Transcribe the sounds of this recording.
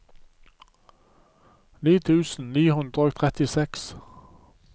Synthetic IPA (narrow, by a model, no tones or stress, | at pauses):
niːt̪ʰʉːsn̩niːhʉnd̪ʁəok̚t̪ʰʁɛt̪ɪsɛks